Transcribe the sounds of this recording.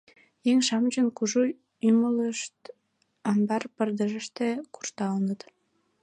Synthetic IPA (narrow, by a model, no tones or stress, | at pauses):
jeŋʃɑmd͡ʑənkuʒu | ymələʃt̪ | ɑmbɑrpərd̪əʒəʃt̪eku̥rt̪ɑlnət̪